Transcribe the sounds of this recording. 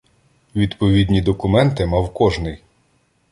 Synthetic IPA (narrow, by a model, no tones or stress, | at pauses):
ʋʲid̪pɔʋʲid̪ʲnʲid̪ɔkʊmɛnt̪ɪmɑwkɔʒnɪj